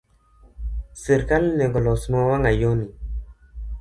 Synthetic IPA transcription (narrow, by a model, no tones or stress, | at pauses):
seɾkalneŋɡɔlɔsmɔwaŋajoni